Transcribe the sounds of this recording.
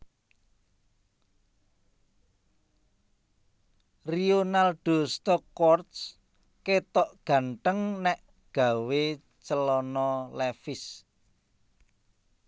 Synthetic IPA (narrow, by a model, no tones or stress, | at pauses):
rionalɖ̥o̤st̪ɔkwɔrt̪s | ket̪ɔʔɡ̥ä̤ɳʈəŋnɛʔ | ɡ̥ä̤we | t͡ʃəlɔnɔlɛfɪs